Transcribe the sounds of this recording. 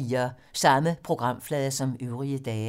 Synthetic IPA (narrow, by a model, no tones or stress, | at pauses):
iːɐ | sɑ̈məpʰʁo̝ɡ̥ʁɑ̈m̰flɛðˠɐsɒ̽møʊʁiəd̥ɛː